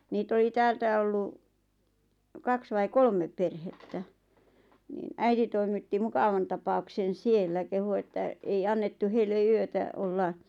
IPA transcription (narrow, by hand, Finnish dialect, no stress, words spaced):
niːt oli tæːltæ olːu kɑks ʋɑi kolmep perhetːæ niːn æiti toimitːi mukɑʋɑn tɑpɑuksen sielːæ kehu etːæ ei ɑnːetːu heilːe yøtæ olːɑ